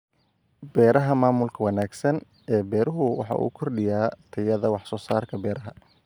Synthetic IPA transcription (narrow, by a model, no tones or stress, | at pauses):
bɛːɾɐɦɐmaːmʊlkʰɐwɐnaːɡsɐn | ɛːbɛːɾʊɦʊwɑ̰ħɑ̰ʔṵːkʰɔrɗɪjaːt̪ʰɐjɐðɐwɑħsɔːsaːrkʰɐbɛːɾɐɦɐ